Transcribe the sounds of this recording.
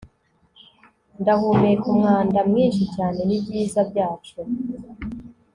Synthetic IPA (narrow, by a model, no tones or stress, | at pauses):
ndahumejekumŋaːndamŋiːnʃicaːne̞nibɟiːzabɟaːt͡ʃo